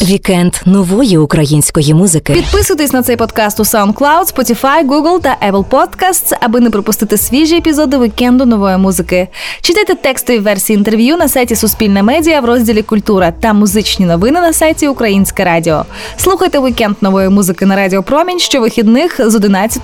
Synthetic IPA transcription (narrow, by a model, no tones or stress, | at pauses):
ʋʲikɛnd̪nɔʋɔjiʊkɾɐjinʲsʲkɔjimuzɪkɪpʲid̪̚pɪsʊjt̪esʲnɐt̪sɛjpɔd̪kɑst̪ʊsawnd̪̚klˠawd̪spɔtʲifɑjɡuɡlˠt̪ɐʔɛplˠpɔd̪kast̪sɐbɨnɛpɾɔpʊst̪ɪt̪ɪsʲʋʲiʒiepʲizɔd̪ɪʋikɛnd̪ʊnɔʋɔjimuzɨkɪt͡ʃɪt̪ajt̪ɛt̪ɛkst̪ɔʋʲiʋɛrsʲiːnt̪erʋʲjunɐsajtʲisʊsʲpʲilʲnɐmɛdʲijɐʋɾɔzʲdʲilʲikʊlʲt̪uɾɐt̪ɐmʊzɪt͡ʃnʲinɔʋɪnɪnɐsɑjtʲiʊkɾɐjinʲsʲkɛɾɑdʲiɔ̰ | slˠuxɐjt̪ɛʋikɛnd̪nɔʋɔjimuzɪkɪnɐɾɑdʲiɔpɾɔmʲinʲʃt͡ʃɔʋɪxʲid̪nɪxzɔd̪ɪnɑt͡sʲːɐt̪